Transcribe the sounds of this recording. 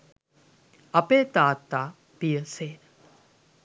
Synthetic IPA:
ɐpeːt̪aːt̪ːaː | pijəseː

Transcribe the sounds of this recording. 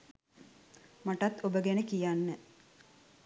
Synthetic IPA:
maʈat̪ːobəɡɛnəkijanːə

